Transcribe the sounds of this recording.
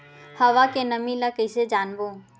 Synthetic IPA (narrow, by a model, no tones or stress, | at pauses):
hɐʋakenəmĩlakəɪsed͡ʒaːnboː